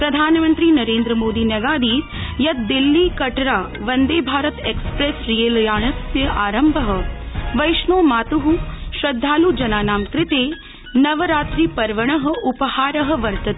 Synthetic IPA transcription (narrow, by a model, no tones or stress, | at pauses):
pɾɐd̪ʱaːnmɐnt̪ɾiːnɐɾeːnd̪ɾəmoːd̪iːnɐɡaːd̪iːt̪ | jɐt̪̚d̪ilːikɐʈɾaː | ʋɐnd̪eːbʱaːɾɐt̪eːkspɾeːsɾijeːlɐjaːɳɐsjɐʔaːɾɐmbʱɐɦɐ̆ʋɐjʃɳoːmaːt̪uɦuʃɾɐd̪ʱːaːlud͡ʒɐnaːnaːmkɾɪt̪eː | nɐʋɐɾaːt̪ɾiːpɐɾʋɐɳ̃ɐɦɐ̆upɐhaːɾɐɦɐ̆ʋɐɾt̪ɐt̪ː